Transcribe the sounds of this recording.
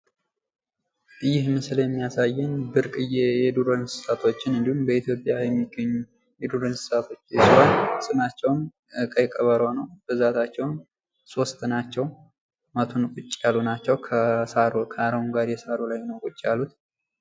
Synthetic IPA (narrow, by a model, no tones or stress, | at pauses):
ʔɨjːɪhmɨsljɛmːijasajːɛnbɨɾkʼɨjɛjɛd̪uɾənsɨ̥sat̪ʰo̞t͡ʃːɪnɨnd̪ihumbəit̪ʰjo̞pʼjajɛmːiɡəɲːu | jɛd̪uɾənsɨ̥sat̪ʰo̞t͡ʃːjɛswansʼɨnat͡ʃːɛwn | ʔɨkʼəjkʼəβəɾonəwb̥ɨzat̪ʰat͡ʃːɛwn | sost̪ʰʼɨnat͡ʃːɛw | mət̪ʰunkʼʊt͡ʃʼːjalunat͡ʃːɛwkʰəsaɾkʰəaɾəwnɡaɾjɛsaɾolajnəwkʼut͡ʃʼːijalut̪